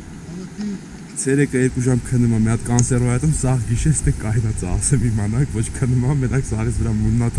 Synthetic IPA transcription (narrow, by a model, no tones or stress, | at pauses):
t͡sʰɛɾɛkəɛɾkuʒɑmkʰənːumɑmɛɑt̪kɑnsɛrɔjɛt̪umsɑʁɡiʃɛt͡sʰt̪ɛkɑjnɑt͡sɑ̰sɛmimɑnɑkvɔt͡ʃʰkʰənːumɑmɛnɑkzɑɾit͡sʰvəɾɑmunːɑt̪ʰ